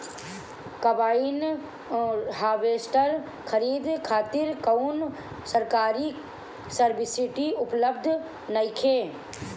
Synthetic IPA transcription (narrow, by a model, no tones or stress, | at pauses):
kəbaːin | ɦaːʋeːsʈəɾ | kʰəɾiːd̪kʰaːt̪ɪɾkəʊn | səɾkaːɾi | səɾbɪsɪʈiʊpləb̚d̪ʱ | nəjkʰeː